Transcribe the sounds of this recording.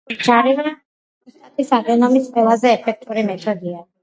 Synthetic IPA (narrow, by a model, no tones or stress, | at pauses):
d͡ʒaɾivɾa | it̪ʼat̪ʰʼisaɡɔnɔmisqʼwɛlˠazɛːpʰɛk̚ʰt̪ʼuɾimɛt̪ʰɔd̪ia